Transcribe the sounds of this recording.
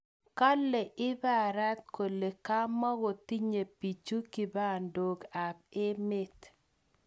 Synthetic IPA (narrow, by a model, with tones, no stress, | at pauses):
ka˦lːɛ˨ʔɪ˦ba˦˨ɾa˦t̪̚ko˨le˨ka˦ma˦ɣo˨ti˦ɲe˨pi˨t͡ʃu˦kɪ˨ba˦˨ndo˨ɡa˨b̚ɪ˦mɪ˦t